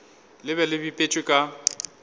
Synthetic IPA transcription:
lɪβɛlɪbipʼet͡ʃʼɪkʼa

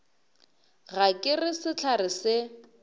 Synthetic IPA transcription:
ɣakʼɪrɪsɪt͡ɬʰarɪsɪ

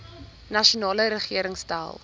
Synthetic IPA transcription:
nɐʃunɑːləɾəχiəɾəŋsta̰ːlˠ

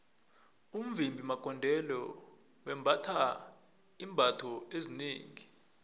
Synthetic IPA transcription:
um̩vimbʱimaɡ̥̬ʱʼɔndʱɛlɔ | wɛmbʱatʰa | iːmbʱatʰɔezineːŋi

